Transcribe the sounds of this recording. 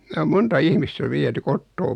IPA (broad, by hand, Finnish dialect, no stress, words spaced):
ne om montɑ ihmistæ ʋiety kotːoː